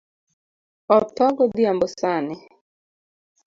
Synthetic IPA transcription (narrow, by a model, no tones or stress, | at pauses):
ɔtɔɡɔd̪ɪambɔsanɪ